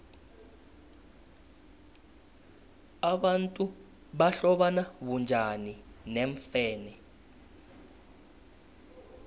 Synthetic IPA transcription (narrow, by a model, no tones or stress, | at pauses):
aɓantʼu | ɓaɬɔɓanaβund͡ʒʱanineɱfɛːnɛ